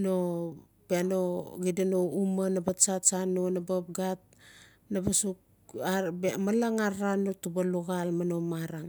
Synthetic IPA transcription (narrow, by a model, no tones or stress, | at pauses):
no | beanoɡidanoumanabat͡ʃat͡ʃanonabap̚ɡat̚ | nabasuk̚ | abemalaŋaɾanotubaluɣalmano̞maɾaŋ